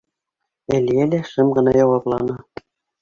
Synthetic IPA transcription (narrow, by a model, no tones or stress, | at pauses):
æliælæʃɤmʁɤ̆nɑjɑwɑplˠɑnɤ